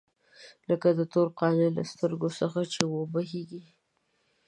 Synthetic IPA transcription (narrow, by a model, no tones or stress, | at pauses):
ləkad̪ət̪oɾqɑnela̰st̪əɾɡosəxat͡ʃewobaɦeɡi